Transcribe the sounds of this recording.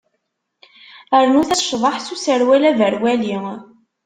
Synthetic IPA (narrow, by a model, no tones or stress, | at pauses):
əɾnuθæsʃðˤɑħsusəɾwælævəɾwæli